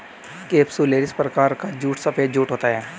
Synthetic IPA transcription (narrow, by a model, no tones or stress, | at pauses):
keːpsuleːɖɪspɾɐkaːɾkad͡ʒuːʈsɐpeːd͡ʒuːʈɦoːt̪aɦɛː